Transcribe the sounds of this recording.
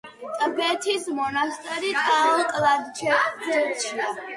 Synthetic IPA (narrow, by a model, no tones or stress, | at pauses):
t̪ʼbɛt̪ʰismɔnast̪ʼɛɾit̪ʼalˠkʼlad̪t͡ʃɛd͡ʒɛt͡ʃʰia